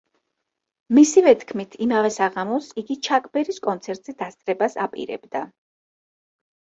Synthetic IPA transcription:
misivɛt̪ʰkʰmit̪ʰimavɛsaʁamɔsiɡit͡ʃʰakʼbɛɾiskʼɔnt̪sʰɛɾt̪ʼz̥id̪ast̪sʼɾɛbasa̰pʼḭɾɛ̰bd̪a

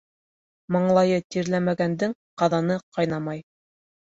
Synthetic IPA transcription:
mɑɴlˠɑjɤt̪iɾlæmæɡænd̪ɘŋqɑðɑnɤqɑjnɑmɑj

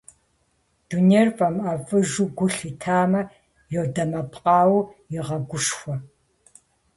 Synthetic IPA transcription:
d̥uneːrfʼɐmafʼɨʒuɡʷʊɬitʰaːmɐ | jodɐmɐpʼqɑːwjɪʁɐɡʷʊʂxʷɔ

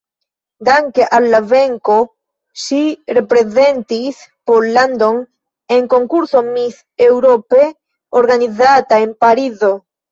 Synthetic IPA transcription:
d̪aŋkeʔalːaveŋko | ʃirepɾezent̪ispolːand̪oŋ | eŋkoŋkuɾθomiθ | ewɾope | oɾɡanizat̪aempaɾizo

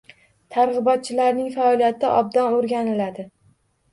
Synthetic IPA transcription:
t̪ʰaɾʁɨbɒt̪̚t͡ʃʰɪlaɾnɪŋfaɒlijat̪ʰɪʔɒ̰b̚d̪ɒnoɾɡʲanɪlad̪ɪ

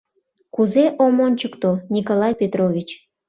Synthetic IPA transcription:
kuzeʔomonʲt͡ɕəkt̪onʲikolɑjpʲet̪rovʲit͡ɕ

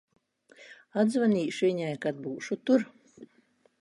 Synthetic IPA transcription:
ad̪zvaniːʃviɲajkad̪̚buːʃut̪uɾ

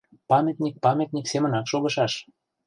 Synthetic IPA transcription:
pɑmʲet̪ʲnʲik̚pɑmʲet̪ʲnʲiksemənɑkʃoɣɤ̆ʃɑʃ

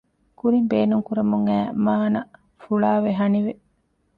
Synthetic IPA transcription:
kuɾimbeːnuŋkuɾɐmuŋæːmaːnɐ | fuɭaːʋeɦɐniʋe

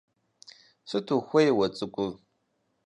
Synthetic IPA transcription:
ʂʷɨtʰuxʷɐjɛwɐt͡sʼɨkʷʼʊ

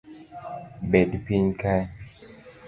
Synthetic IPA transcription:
bɛdpiɲkaj

